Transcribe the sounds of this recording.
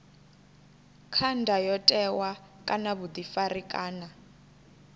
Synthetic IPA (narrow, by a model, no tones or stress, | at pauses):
kʰandʱajɔtʼɛwakʼanaβud̪ifarikʼaːna